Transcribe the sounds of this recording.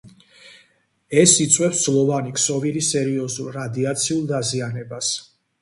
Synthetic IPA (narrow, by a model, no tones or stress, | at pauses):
ɛsit̪sʼwɛpsd̪zlˠɔvaniksɔvilisɛɾiɔzulˠɾad̪iat̪sʰiulˠd̪azianɛbas